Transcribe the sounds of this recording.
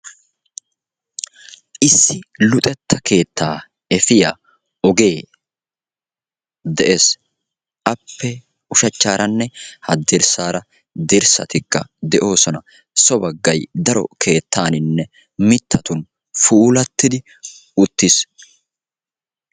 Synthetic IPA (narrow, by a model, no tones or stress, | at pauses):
ʔɪsːɪlʊt̪ʼɛt̪ːɐke̞ːt̪ːaː | ɛfɪja | ɔɡe̞ː | d̪ɛʔes | ʔɐpːɛ | ʊʃɐt͡ʃːaːɾɐnːɛhɐd̪ɪɾsaːɾɐ | d̪ɪɾsɐ̰t̪ɪkːɐ̰d̪ɛʔo̞ːsɔnɐ | sɔbɐɡːɐjd̪ɐɾɔ̰kʰe̞ːt̪ːaːnɪnːɛ | mɪt̪ʰːɐt̪ʊn | fuːlɐt̪ːɪd̪ɪ | ʊt̪ːɪs